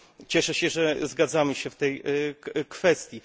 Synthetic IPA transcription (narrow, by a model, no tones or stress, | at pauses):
t͡ɕɛʂɛɕɛʐɛzɡad̪zamɘɕɛft̪ɛj | kfɛst̪ʲji